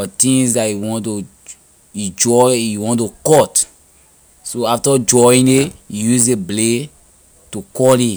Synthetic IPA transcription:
ɔtĩŋsdaiwɔ̃ntu | id͡ʒɔiwɔ̃ntukɔt | soaftɔd͡ʒɔĩŋdeijuzeble | tukɔli

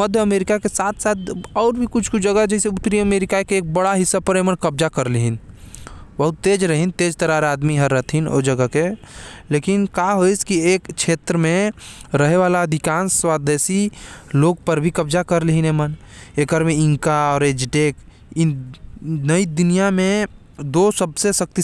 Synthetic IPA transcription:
məd̪ʱjəmeːɾikakesaːt̪ʰsaːt̪̚ɔːɾbʱikʊt͡ʃʰkut͡ʃʰd͡ʒəɡəd͡ʒɛseʊt̪ːɾiəmeːɾikakeeːk̚bəɽaɦɪsːəb̚pəɾemənkəbd͡ʒakəɾliɦin | bəɦʊt̪ːeːd͡ʒɾəɦint̪eːd͡ʒt̪əɾaɾaːd̪miɦəɾət̪ʰɦino̰d͡ʒəɡəkeleːkɪnkaɦoiskieːkʃʰeːt̪ɾəmẽɾəɦeʋaːlaəd̪ʱɪkaːnswaːd̪eːsiloːɡpəɾbʱikɐbd͡ʒakəɾliɦinɦɛməneːkəɾmẽɪ̃ŋkaɔːɾeːd͡ʒʈeːk | ɪn | nəid̪ʊnijamẽ | d̪oːsəbsesək̚t̪i

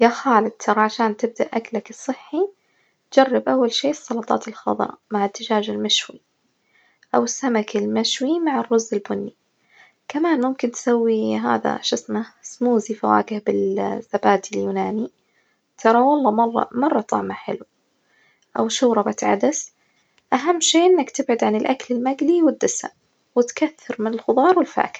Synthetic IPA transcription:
jaːxaːlɪd̪̚t̪ʰɑɾˤɑʕaʃaːnt̪ɪb̚d̪aʔaklakɨsˤːɨħːi | t̪d͡ʒɑrˤːɪbʔawːalʃiːsˤːɑlɑt̪ˤɑ̰ːt̪ɪlxɑ̰ðˤɑ̰ʔmaʕɪt̪ːɪd͡ʒaːd͡ʒɪlmaʃwi | ʔawɪsːamakɪlmaʃwimaʕɪrːʊzːɪlbʊnːi | kamaːnmʊmkɪnt̪sawːiɦa̰ːða̰ʃʊsmasmuːzifawa̰ːɡɪhbɪlz̥ːabaːd̪iljuːnaːni | t̪ʰɑɾˤɑwɑlˤːɑmɑrˤːɑ̰mɑrˤːɑt̪ˤɑ̰ʕmaħɪ̰lu | ʔawʃʊːɾˤɑbat̪ʕa̰d̪as | ʔaɦamːʃeːʔɪnːakt̪ɪbʕʊd̪ʕanɪlʔakalɪlmaɡliwɪd̪ːɪsa̰m | wɪt̪kaθːɑɾmɪnɪlxʊbɑːɾˤwɪlfa̰ːkɪ̥

